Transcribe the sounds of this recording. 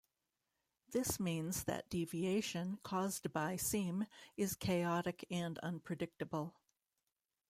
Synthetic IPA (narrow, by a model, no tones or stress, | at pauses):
ðɪsmĩnzðɨ̰t̚d̥ivieɪʃɨ̃nkʰɔzdbaɪsĩmɨz̥kʰeɪɑɾɨkɨ̃nʌ̰̃npʰɹ̥ɨdɪk̚tɨbl̩ˠ